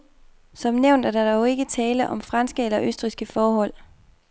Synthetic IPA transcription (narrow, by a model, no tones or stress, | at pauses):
sɒ̽mneʊnd̥æd̥ɑd̥ɒʊe̝ɡ̥ət͡sʰɛːləʔɒ̽mfʁɑnsɡ̥əelɐʔøsd̥ʁisɡ̥əfɒːɦɒ̽l̰